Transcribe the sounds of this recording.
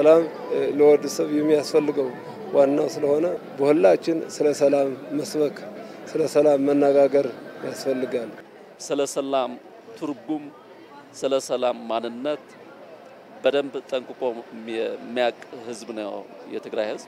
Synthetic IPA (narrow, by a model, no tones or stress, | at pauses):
səlam | ləwɔd̪ɨsəβjɛmːijasfəlːɨɡəw | wanːawsɨləho̞nəbohulːat͡ʃːɪnsɨləsəlamːəsbəksɨləsəlamːənːəɡaɡəɾjasfəlːɨɡal | sɨləsəlam | t̪ʰɨɾɡum | sɨləsəlamːanːɨnːət̪ | bəd̪əmbt̪ʼːəŋkʼɨkʼo̞ | mːijakʼhɨzbnəjo̰ | jɛ̰t̪ʰɨɡɾajhɨzb